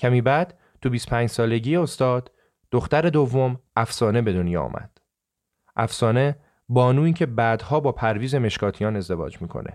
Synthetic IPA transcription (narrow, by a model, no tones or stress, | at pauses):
cʰæmiːbæd̪ | t̪ʰubiːst̪o̥pʰæːɲd͡ʒsɒːle̞ɟiːjeost̪ɒːd̪̥ | d̪̥oxt̪æɾe̞d̪o̞vːo̞mʔæfsɒːne̞be̞d̪o̞njɒ̰ːɔ̰mʔæ̰d̪̥ | ʔæfsɒːne̞ | bɒːnuːiːcʰe̞bæd̪hɒːbɒːpʰæɾviːze̞me̞ʃkʰɒːt̪ʰijɒːne̞zd̪e̞vɒ̰ːd͡ʒmiːkʰo̞̰nʔe̞̰